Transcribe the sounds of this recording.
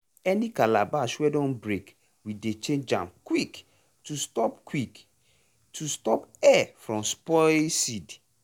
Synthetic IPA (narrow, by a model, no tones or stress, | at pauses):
ɛnikala̰baʃwɛdɔ̃nbɹek | widet͡ʃẽnd͡ʒã̰mkwik | tustɔpkwik | tʰustɔpɛfɹɔ̃mspɔsid